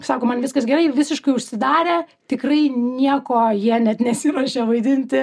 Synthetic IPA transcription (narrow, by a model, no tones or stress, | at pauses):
sɑːkoːmɐnʋʲɪskɐsɡʲɛɾɐɪʋʲɪsʲɪʃkɐɪʊʃʲsʲɪd̪ɑːɾʲeː | t̪ʲɪkrɐɪnʲiɛkoːjiɛnʲɛt̪nʲɛsʲɪɾɔʃʲɛʋɐɪd̪ʲɪnʲt̪ʲɪ